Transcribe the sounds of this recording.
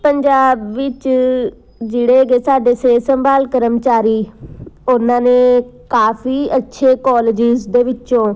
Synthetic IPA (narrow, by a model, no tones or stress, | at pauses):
pəɲd͡ʒaːbʋɪt͡ʃ | d͡ʒeɽeːɡeːsaːɖeːseːsəmbaːlkəɾəmt͡ʃaːɾiːʊnãːnẽːkaːfiːətːʃʰeːkɔːled͡ʒɪzd̪eːʋɪt͡ʃõː